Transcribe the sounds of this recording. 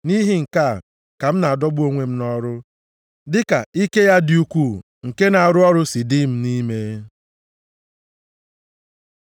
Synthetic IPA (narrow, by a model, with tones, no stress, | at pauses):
ni˦ɦi˦ŋ̩˨ka˦˨ | ka˨m̩˦na˨a˨dɔ˦bu˦o˦ŋʷe˨m̩˦nɔ˦ɾʊ˦ | dɪ˦ka˨i˦ke˦ja˦dɪ˨u˦kʷu˦˨ | ŋ̩˨ke˦na˨a˨ɾʊ˦ɔ˦ɾʊ˦si˨di˦m̩˦ni˦me˦